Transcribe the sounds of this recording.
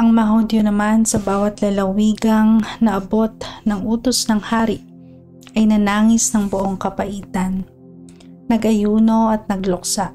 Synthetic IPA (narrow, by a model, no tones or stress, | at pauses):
ʔɐŋmɐɐɦhod̪jonɐmansɐbaːwɐt̪lɐlɐwiːɡɐŋnɐʔɐbo̞t̪̚nɐŋʔuːt̪osnɐŋhaːɾɪʔ | ʔɐjnɐnaːŋɪsnɐŋbʊʔoŋkɐpɐʔiːt̪ɐnː | ɐɡʔɐjuːno̞ʔɐt̪̚nɐɡlʊk̚saʔ